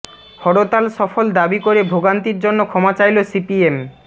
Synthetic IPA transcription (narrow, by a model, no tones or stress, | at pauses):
hɔɽot̪alʃɔfold̪abikoɾebʱoɡant̪iɾd͡ʑonːokʰɔmat͡ɕajlosipiem